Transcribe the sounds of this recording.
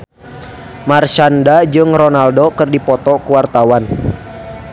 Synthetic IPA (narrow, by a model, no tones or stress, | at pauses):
mart͡ʃandad͡ʒɨŋrɔnaldokɨrdipɔt̪ɔkuwart̪awan